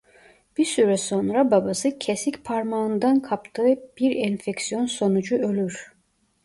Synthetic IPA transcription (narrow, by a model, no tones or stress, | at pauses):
b̥isyɾɛso̞nɾababasɯcʰesicpʰaɾmaɯnd̪ankʰapt̪ʰɯːb̥iɾɛnfɛcsijo̞nso̞nud͡ʒuø̞lʲyɾ̥